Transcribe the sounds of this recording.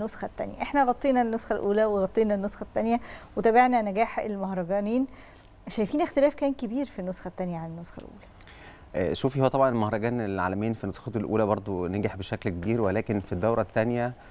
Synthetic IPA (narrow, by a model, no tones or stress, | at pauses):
nːosxæt̪ːæ̰njæʔeħnæɣɑt̪ˤːiːnɑnːosxælʔuːlæweɣɑt̪ˤːiːnænːosxæt̪ːænjæwet̪æbeʕnænæɡæːħḛlmɑhɾˤɑɡæːniːn | ʃæjfiːnæxt̪elæːfkæːnkebiːɾfinːosxæt̪ːænjæʕanenːosxæ̰lʔṵːlæ | ʔæʃuːfihowæt̪ˤɑbʕɑnelmɑhɾˤɑɡæːnelʕa̰ːlæmiːnfinːosxɑt̪lʔṵːlæbɑɾˤd̪ˤoneɡeħbeʃæklkebiːɾwelæːkenfid̪ːæwɾˤɑt̪ːænjæ